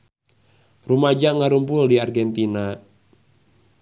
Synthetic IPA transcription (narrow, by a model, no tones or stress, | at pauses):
rumad͡ʒaŋaɾumpʊldiarɡɛnt̪ina